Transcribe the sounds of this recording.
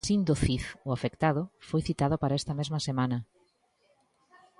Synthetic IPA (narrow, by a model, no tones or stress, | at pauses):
sind̪oθiθʊafekt̪aðʊfojθit̪aðʊpaɾaɛst̪ɐmezmɐsemanɐ